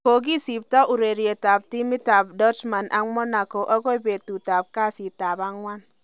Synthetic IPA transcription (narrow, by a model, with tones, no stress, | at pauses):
ko˨ɡ̬i˦si˨b̚tɔ˦ʔu˨ɾe˨ɾje˨ta˨b̚ti˦mi˦ta˨b̚dɔ˦t͡ʃma˨nʔa̰˦mɔ˦na˨ko˨ʔɔ˦ko˦i˦be˨tu˨ta˨p̚ka˦˨si˨ta˨ba˦ŋwa˦n